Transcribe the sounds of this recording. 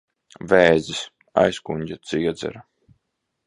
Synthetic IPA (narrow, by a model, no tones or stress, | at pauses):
vɛːzis | a̰jskuɲʲd͡ʑʲat̪siɛd̪zɛ̰ɾa